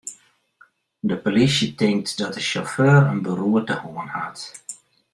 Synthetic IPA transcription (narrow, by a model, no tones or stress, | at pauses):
dəpolisjətɪŋk̚tdɔt̚dəʃoføːrənbəruətəhoənhat